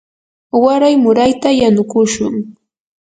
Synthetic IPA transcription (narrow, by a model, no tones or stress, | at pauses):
waɾajmʊɾajt̪ajanʊkʊʃʊŋ